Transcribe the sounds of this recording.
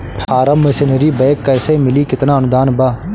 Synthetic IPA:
pʰaːɾəmːɐsɪnəɾibɛːkːɛːsemɪlikɪt̪naːɐnʊd̪aːnbaː

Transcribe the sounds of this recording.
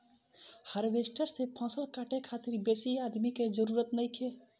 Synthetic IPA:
həɾʋesʈəɾsepʰə̃səlkaʈekʰat̪iɾbesiad̪miked͡ʒəɾuɾət̪nəjkʰe

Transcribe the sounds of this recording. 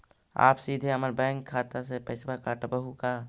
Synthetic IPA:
a̰ːpsiːd̪ʱeɦəməɾbɛ̃ːŋkʰːaːt̪asepəɪsbakaʈəbəɦukaː

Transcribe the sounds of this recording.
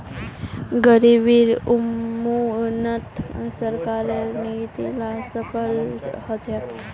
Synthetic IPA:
ɡəɾibiɾumunət̪səɾkaɾeniit̪ilasəpəlhət͡ʃe

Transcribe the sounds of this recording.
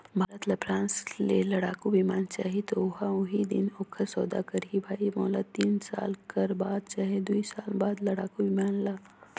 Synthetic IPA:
mːlət̪lapʰɾãːnslelɐɽaːkubimaːnt͡ʃaːɦit̪oʊɦaʊɦid̪ɪnokʰəɾsɔːd̪a̰kɐɾɦibʱaːimɔːlət̪ːiːnsa̰ːlkɐɾbaːd̪̚t͡ʃaːɦed̪uisaːlbaːd̪lɐɽaːkobimaːnlaː

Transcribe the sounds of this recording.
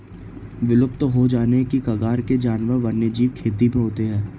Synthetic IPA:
ʋɪlʊp̚t̪ɦod͡ʒaːnekikɐɡaːɾked͡ʒaːnʋəɾʋɐɾnjed͡ʒiːʋkʰeːt̪imẽɦoːt̪eɦɛ̃ː

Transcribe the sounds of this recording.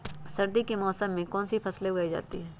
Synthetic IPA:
sɐɾd̪ikemɔːsəmːẽkɔːnsipʰɐsleɡɐid͡ʒa̰ːt̪ḭɦɛː

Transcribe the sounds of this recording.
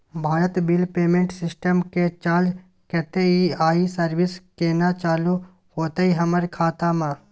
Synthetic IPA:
bʱaːɾət̪bɪlpeːmẽːɳʈsɪsʈəmket͡ʃaːd͡ʒ | kɛt̪eiaːisəɾʋɪskeːnat͡ʃaːlu | hoːt̪aiɦɐməɾkʰaːt̪amãː

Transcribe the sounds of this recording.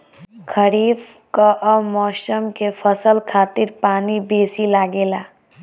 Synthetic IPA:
kʰəɾiːb | kaʔəmɔːsəmkepʰəsəlkʰaːt̪iɾpaːnibeːsilaːɡeːlaː

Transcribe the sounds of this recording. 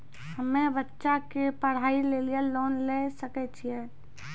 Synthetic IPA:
həmẽbətːʃakepəɽ̤aːileːlijaloːnlesəkɛt͡ʃʰiɛː

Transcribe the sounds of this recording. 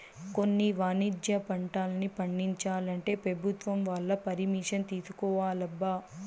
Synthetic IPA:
ko̞nːiʋaːnid͡ʒjɐpɐɳʈaːlɐnipɐɳːiɲt͡ʃaːlɐɳʈe̞ːpɾɐbʱut̪ʋɐmʋaːɭːɐpɐɾimiːʂɐnt̪iːsu̥kɔːʋaːlɐbːa

